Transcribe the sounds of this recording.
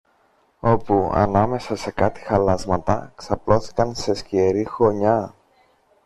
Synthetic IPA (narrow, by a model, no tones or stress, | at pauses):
o̞puɐ̰nɐme̞sɐse̞kɐt̪i̥xɐlɐzmɐt̪ɐ̰ksɐplo̞θi̥kɐnse̞scieɾixo̞ɲɐ